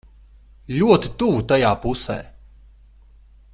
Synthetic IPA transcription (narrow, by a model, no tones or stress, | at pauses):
lʲuɔt̪i̥t̪uvut̪ajaːpusɛ̰ː